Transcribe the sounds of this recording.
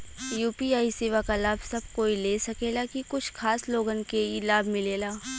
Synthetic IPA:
juːpiaːisɪʋakalaːbʱsɐb̚koːileːsɐkeːlakikʊt͡ʃʰkʰaːsloːɡənkelaːbʱmɪleːlaː

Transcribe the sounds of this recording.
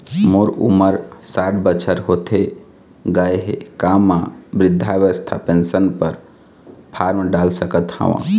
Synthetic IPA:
moːɾṵməɾsaːʈbət͡ʃʰəɾɦot̪ʰe | ɡaeɦḛkaːmãbɾɪd̪ʱːaʋəst̪ʰa̰pensənpəɾ | pʰaːɾmɖaːlsəkət̪hã̰ʋã̰

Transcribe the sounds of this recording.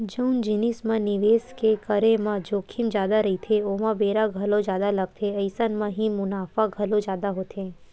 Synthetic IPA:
d͡ʒəund͡ʒinismãniʋeskekəɾemãd͡ʒokʰimd͡ʒjaːd̪aɾəɦit̪ʰeomãbeːɾaɡʱəlod͡ʒjaːd̪aləɡ̚t̪ʰeəjsanmãɦĩmʊnaːfaɡʱəlõd͡ʒjaːd̪aɦot̪ʰẽ

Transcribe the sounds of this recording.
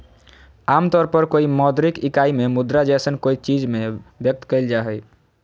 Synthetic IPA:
amt̪ɔɾpəɾkoimɔd̪ɾikikaimemud̪ɾad͡ʒɛsənkoit͡ʃid͡ʒmebjək̚t̪kəɪld͡ʒaɦɛj

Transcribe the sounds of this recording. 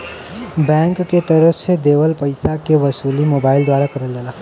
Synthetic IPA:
bɛ̃ːŋkːet̪ɐɾəfsed̪eːʋəlpɐɪsakeʋɐsuːlimoːbaːɪld̪waːɾakɐɾəld̪aːlaː

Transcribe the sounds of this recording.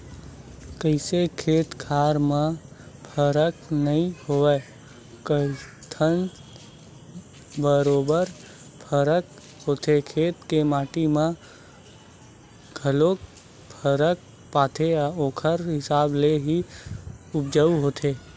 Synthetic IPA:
kəɪsekʰeːt̪kʰaːɾmã | pʰəɾəknəɦĩhoɛ | kəit̪ʰən | bəɾoːbəɾ | pʰəɾək | hoːt̪ʰekʰeːt̪kemaːʈimã | ɡʱəlok | pʰəɾək̚ | paːt̪ʰeoːkʰəɾɦɪsaːbleɦi | ʊpd͡ʒəuɦoːt̪ʰeː

